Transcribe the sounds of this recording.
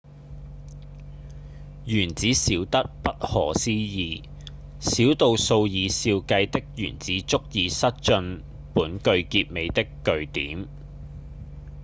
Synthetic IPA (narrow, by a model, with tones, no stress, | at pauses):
jyː˨˩nt͡siː˨˥siː˨˥wt̪ɐ˥t̚pɐ˥t̚hɔ̰ː˨˩siː˥jiː˧ | siː˨˥wt̪o˨˧wso˧wjiː˨˧siː˧wkɐ˧jt̪ɪ˥k̚jy̰ː˨˩nt͡siː˨˥t͡sʊ˥k̚jiː˨˧sɐ˥t̚t͡ʃɵ˧n | puː˨˥nkɵ˧ɥkiː˧p̚me˨˧jt̪ɪ˥kːɵ˧ɥt̪iː˨˥m